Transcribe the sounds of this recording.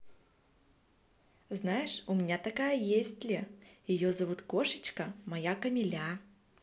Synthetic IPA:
znajɪʂʊmʲɪnʲat̪ɐkajəjesʲtʲlʲɪjɪjozɐvut̪koʂɨ̥t͡ɕkɐmɐjakɐmʲɪlʲa

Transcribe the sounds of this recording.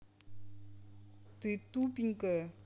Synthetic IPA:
t̪it̪upiŋkə

